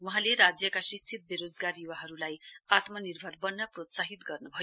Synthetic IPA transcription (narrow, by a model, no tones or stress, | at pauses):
ʋũɦãleɾad͡zjəkaɕikt͡sʰit̪̚biɾod͡zɡaɾjuʋaɦəɾulajat̪məniɾbʱəɾbənːəpɾot̪saɦit̪ɡəɾnəbʱə